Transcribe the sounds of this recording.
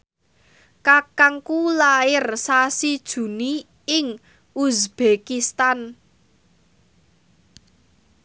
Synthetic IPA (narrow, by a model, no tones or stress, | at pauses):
kakaŋkulaɪrsasid̥ʒ̥ṳni | ɪŋ | usb̥ekist̪an